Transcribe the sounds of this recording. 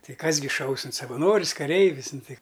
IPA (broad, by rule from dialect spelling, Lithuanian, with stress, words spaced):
ˈtɐɪ ˈkɐs ɡʲɪ ˈʃɐʊs ɪn sɐʋɐˈnoːrʲɪs kɐˈrʲɛɪʋʲɪs ˈnʊ ˈtɐɪ